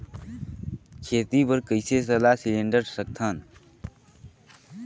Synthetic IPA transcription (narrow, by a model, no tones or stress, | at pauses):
kʰeːt̪ipəɾkəɪses̬əlasilẽːɳɖəɾsək̚t̪ʰaːn